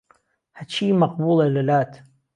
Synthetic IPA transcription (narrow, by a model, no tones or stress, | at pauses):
hat͡ʃiːmɑq̚buːlelɪlaːt̪